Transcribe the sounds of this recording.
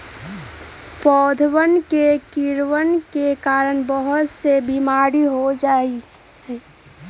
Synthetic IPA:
pɔːd̪ʱwənkekiɾwənkekaːɾənbəɦʊt̪sebimaːɾiɦod͡ʒaːi | hɛː

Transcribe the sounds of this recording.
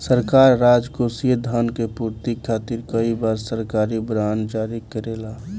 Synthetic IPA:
səɾkaːɾːaːd͡ʒkosied̪ʱankepuːɾt̪ikʰːaːt̪iɾkəibaːɾsəɾkaːɾibɾaːnd͡ʒaːɾikəɾeːlaː

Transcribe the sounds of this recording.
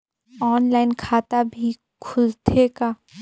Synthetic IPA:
ɔːnlaːɪnkʰaːt̪abʱi | kʰʊlt̪ʰeka

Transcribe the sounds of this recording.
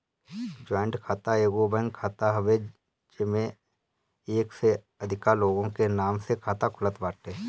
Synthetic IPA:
d͡ʒɔːɪ̃ɳʈkʰaːt̪aeːɡobɛ̃ŋɡkʰaːt̪aɦɐʋe | d͡ʒɪmẽ | eːkse | ɐd̪ʱɪkaloːɡõkenaːmsekʰaːt̪akʰʊlət̪baːʈeː

